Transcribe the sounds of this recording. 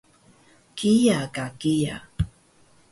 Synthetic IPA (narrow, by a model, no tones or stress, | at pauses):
kijakakija̰